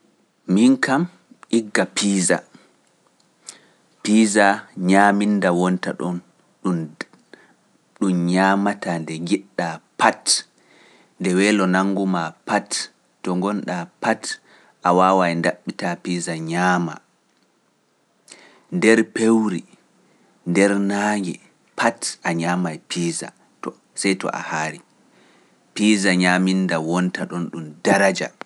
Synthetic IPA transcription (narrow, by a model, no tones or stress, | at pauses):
miŋkam | ʔiɡːapiːza̰ | piːzaɲaːmindawɔntaɗɔn | ɗun | ɗumɲaːmatandɛŋɡiɗːapat | ndɛwɛːlɔnaŋɡumapatː | ɔŋɡɔnɗapat | ʔawaːwajndaɓːitapiːzaɲaːma̰ | ndɛɾpewɾi | ndɛɾnaːŋɡɛ | pʰatʔaɲaːmajpiːza̰ | t | sajtɔ̰ʔa̰haːɾi | piːzaɲamindawɔntaɗɔnɗumdaɾad͡ʒa̰